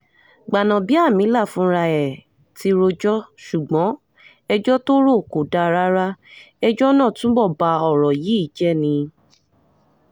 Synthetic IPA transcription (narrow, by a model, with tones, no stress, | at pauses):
ɡ͡ba˨nã˨bi˨˦a˦˨mĩ˨˦la˦˨fũ˨˦ɾa˧ɛ˨ | ti˨˧ɾo˧d͡ʒɔ˦ʃu˨ɡ͡bɔ̃˨˦ | ɛ˧d͡ʒɔ˦to˦ɾo˦˨ko˨da˧ɾa˦ɾa˦ | ɛ˧d͡ʒɔ˦nãː˦˨tũ˨˦bɔ˦˨ba˧ɔ˦˨ɾɔ˨ji˨˦i˦˨d͡ʒɛ˦˨nĩ˧